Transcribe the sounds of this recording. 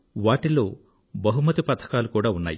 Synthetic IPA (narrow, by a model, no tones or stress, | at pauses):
ʋaːʈilːoː | bɐɦumɐt̪ipɐt̪ʰɐ̥kaːlukuːɽaːunːa̰ːji